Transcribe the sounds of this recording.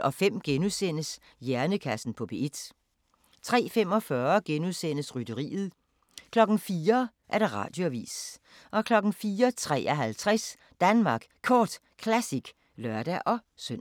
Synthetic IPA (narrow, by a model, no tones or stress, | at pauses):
ɒ̽fem̰ɡ̥enusen̰əs | jæɐnəkʰæsn̩pʰɒ̽b̥e̝ed̥ | t͡sʰʁɛ̰ːfem̰ɒ̽fɶːɐɡ̥enuðˠsen̰əsʁyd̥əʁḭːð̩ˠ | kʰlɒ̽ɡ̥n̩fiːɐ | ʔæɐɾ̥eʁɑ̰̈ːd̥jo̝æʋḭːs | ʔɒ̽kʰlɒ̽ɡ̥n̩fiːɐt͡sʰʁɛ̰ːʔɒɦælt͡sʰʁɛs | d̥ænmɑ̈ɡ̥kʰɒːd̥ | kʰlæsiɡ̥ | lɶɐd̥æʔɒ̽ | søn